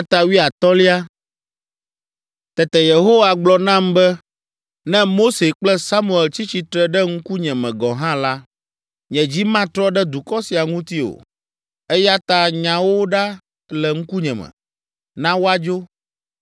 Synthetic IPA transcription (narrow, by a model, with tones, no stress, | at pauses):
t̪a˨wi˦a˨t̪ɔ˦li˦a˦ | t̪ɛ˨t̪ɛ˨je˨ɦo˦wa˨ɡ͡blɔ˨nã˦mbɛ˦ | nɛ̃˦mo˦se˨k͡plɛ˦sa˦mũ˦˨ɛ˨lt͡ɕi˦t͡ɕi˨t̪ɾɛ˦ɖɛ˦ŋ̩˦ku˦ɲɛ̃˨mɛ̃˨ɡɔ˨ɦã˦la˦ | ɲɛ̃˨d͡ʑi˦mã˦t̪ɾɔ˦ɖɛ˦d̪u˨kɔ˦si˨a˨ŋũ˦t̪i˦o̰˨ | ɛ˦ja˦t̪a˦ɲã˨wo˦ɖa˦ | lɛ˨ŋ̩˦ku˦ɲɛ̃˨mɛ̰̃˨ | nã˦wo˦a˦d͡ʒo˦